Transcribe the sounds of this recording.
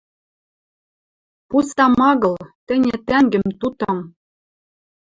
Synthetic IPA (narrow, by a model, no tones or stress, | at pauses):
pust̪ɑmɑɣɤ̆lt̪ɘ̆nʲɘ̆t̪æŋɡɘ̆mt̪ut̪ɤ̆m